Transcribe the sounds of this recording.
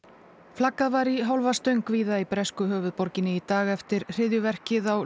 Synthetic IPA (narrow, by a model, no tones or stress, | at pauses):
flakːaðvaɾiɦawlvast̪œɥŋkviːðaipɾɛskʏɦœːvʏðpɔɾcɪnːɪit̪aːɣɛft̪ɪɾ̥r̥ɪðjʏvɛr̥cɪðaw